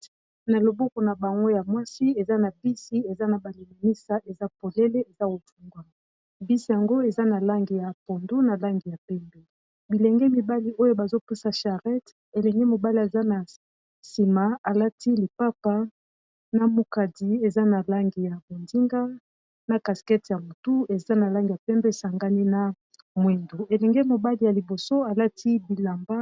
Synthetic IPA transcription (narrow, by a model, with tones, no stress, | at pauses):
na˨lo˨bo˦kɔ˨na˨ba˨ŋɡo˦ja˨mwa˦si˦e˨za˦na˨bi˦si˦e˨za˦na˨ba˨li˨mi˨ni˦sa˦ʔe˨za˦po˨le˦le˦e˨za˦o˨vu˦ŋɡwa˨ | bi˦si˨ja˨ŋɡo˦e˨za˦na˨la˦ŋɡi˨ja˨po˨ndu˦na˨la˦ŋɡi˨ja˨pɛ˦mbɛ˨ | bi˨lɛ˨ŋɡɛ˦mi˨ba˦li˦o˦jo˦ba˨zo˦pu˦sa˨ʃa˨ʁɛ˦t | e˨lɛ˨ŋɡɛ˦mo˨ba˦li˨a˨za˦na˨ | si˨ma˨a˨la˦ti˦li˨pa˦pa˦ | na˨mu˨ka˨di˨˦e˨za˦na˨la˦ŋɡi˨ja˨bo˨ndi˦ŋɡa˦ | na˨ka˨skɛ˦tja˨mo˨tu˦e˨za˦na˨la˦ŋɡi˨ja˨pɛ˦mbe˦˨sa˨ŋɡa˦ni˦na˨ | mwe˨ndu˨e˨lɛ˨ŋɡɛ˦mo˨ba˦li˦ja˨li˨bo˨so˦a˨la˦tʰi˦bi˨la˨mba˦